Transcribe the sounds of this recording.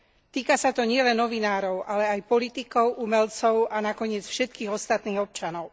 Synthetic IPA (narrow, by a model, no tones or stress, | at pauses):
t̪iːkasat̪ɔɲɪɛlɛnːɔʋinaːɾɔʊʔalɛajpɔlit̪ikɔʊʔumɛlt͡sɔʊanakɔɲɪɛt͡sfʃɛt̪kiːɣɔst̪at̪niːɣɔp̚t͡ʃanɔʊ